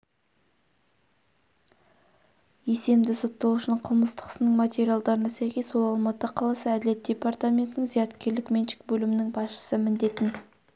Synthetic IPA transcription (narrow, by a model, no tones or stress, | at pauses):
je̞se̞md̪ɪsot̪ːɑlˠuʃənəɴqʰəlˠməst̪ə̥qə̥sənəɴmat̪ʲe̞ɾʲijalˠd̪ɑɾənɑsæjkʲe̞swo̞lˠɑlˠmɑt̪əɑqʰɑlˠɑsəæd̪ɪle̞t̪̚d̥̪ʲe̞part̪amʲe̞nt̪ɪnɪŋzijɑt̪kʲe̞ɾlɪkmenʃɪ̥k̚bɵlɪmɪnɪŋbɑsʃə̥səmɪnd̪e̞t̪ɪn